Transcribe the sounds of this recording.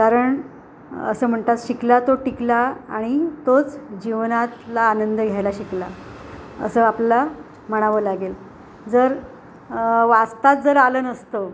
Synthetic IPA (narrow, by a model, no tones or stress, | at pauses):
kaɾəɳ | ə̰səːm̤əɳt̪at̪ɕiklat̪oʈiklaaɽ̃it̪ot͡sd͡ʑiʋnat̪laːnənd̪ʱəɡʱjajlaɕikla̰ | ə̰səːapla | məɽ̃aʋəlaɡel | d͡zəɾ | ʋast̪at̪̚d͡zəɾalənəst̪o